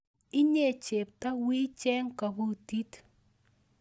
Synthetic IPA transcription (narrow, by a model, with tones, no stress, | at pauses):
ɪ˦ɲe˦˨t͡ʃe˨p̚ta˦wi˦t͡ʃɛ˦ŋka˨bo˦ti˦t